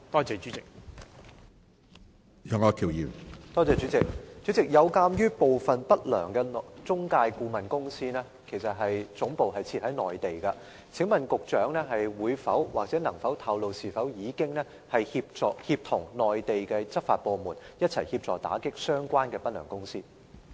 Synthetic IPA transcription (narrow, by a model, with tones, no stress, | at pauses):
t̪ɔː˥t͡sɛː˨˧t͡ʃyː˨˥t͡sɪ˨k̚ | jœː˨˩ŋɔ˨˧kʰi˨˩wjiː˨˩mt̪ɔː˥t͡sɛː˨t͡ʃy˨˥t͡sɪ˨k̚t͡ɕy˨˥t͡sɪ˨k̚jɐ˨˧wkaː˧mjyː˥po˨wfɐ˨npɐ˥t̚lœ̰ː˨˩ŋkɛ˧nt͡sʊ˥ŋkaː˧jkuː˧mɐ˨nkʊ˥ŋsiː˥nɛː˥ | kʰe˨˩jsɐ˨t̚ɦɐ˨jt͡sʊ˨˥ŋpo˨wɦɐ˨jt͡sʰiː˧t̚hɐ˨˥jnɔː˨jt̪e˨jkɐ˧ | t͡sʰɪ˨˥ŋmɐ˨nkʊ˨k̚t͡ʃœː˨˥ŋnɛː˥ɦɐ˨jwuː˨˧jfɐ˨˥wwaː˨k̚t͡sɛː˨˥nɐ˨˩ŋfɐ˨˥wt̪ʰɐ˧wlo˨wsiː˨˩fɐ˨˥wjiː˨˧kɪ˥ŋnɛ˥ | hɐ˨jhiː˧p̚t͡sɔː˨˩hiː˧p̚t̪ʰʊ˨˩ŋnɔː˨jt̪e˨jkɛː˧t͡sɐ˥k̚faː˨t̚pɔː˧muː˨˩njɐ˥t̚t͡sʰɐ˨˩jhiː˧p̚t͡sɔ̰ː˨˩t̪a̰ː˨˥kɪ˥k̚sœː˥ŋkʷaː˥nkɛː˧pɐ˥lœ̰ː˨˩ŋkʊ˥ŋsḭː˥